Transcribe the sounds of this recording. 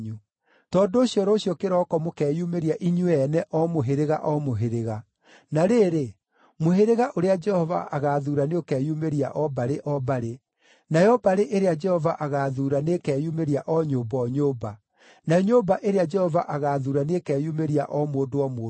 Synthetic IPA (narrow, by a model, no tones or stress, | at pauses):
ɲu | tɔndoːɕiɔɾɔːɕjɔkeɾɔkɔmokɛːjumeɾiaʔiɲuɛnɛʔɔmoɦeɾeɣa̰ʔɔmoɦeɾeɣa | naɾeːɾe | moɦeɾeɣaʔoɾead͡ʒɛhɔva̰ʔaɣaːðuːɾaneokɛːjumeɾia̰ʔɔbaɾeʔɔbaɾe | najɔbaɾeʔeɾead͡ʒɛhɔvaʔaɣaːðuːɾanekɛːjumeɾiaʔɔɲobɔːɲoba | naɲoːbaʔeɾead͡ʒɛhɔvaʔaɣaðuːɾanekɛːjumeɾia̰ʔɔmoːdoɔmoː